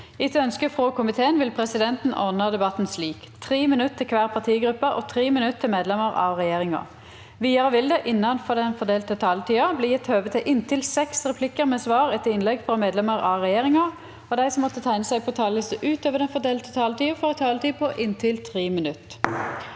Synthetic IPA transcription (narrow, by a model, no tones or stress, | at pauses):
ɪt̪œnskəfʁoːkʰʊmɪt̪ʰeːənʋɪlpʰʁɛsɪd̪ɛnt̪n̩ʔɔ̰ʁnəd̪ɛbɑt̪n̩sliːk | t̪ʰʁiːmɪnʉt̪t̪ʰːɪlkʰʋæːʁpʰɑʁt̪ʰiːɡɾʉpːəʔɔt̪ʰʁiːmɪnʉt̪t̪ʰːɪlmeːd̪lɛməʁɑ̰ʋʁɛjeːʁɪŋɑ̰ | ʋiːɑʁəʋɪld̪ɛʔɪnːɑnfɔʁd̪ɛnfɔd̪eːlt̪ət̪ʰɑːlət̪ʰiːɑbliːjɛt̪ːhøːʋət̪ʰɪʔɪnt̪ʰɪlsɛksʁɛpʰlɪkːəɾmɛːsʋɑːʁɛt̪ːəɪnlɛɡfɔmeːd̪lɛməʁɑʁɛjeːʁɪŋɑ | ɔd̪æɪsɔmːɔt̪ːət̪ʰæɪnəsæɪpʰɔt̪ʰɑːləsəʔʉːt̪øːʋəʁd̪ɛnfɔd̪eːlt̪ət̪ʰɑːlət̪ʰiːɑfɔʁt̪ʰɑːlət̪ʰiːpʰɔʔɪnt̪ʰɪlt̪ʰʁiːmɪnʉt̪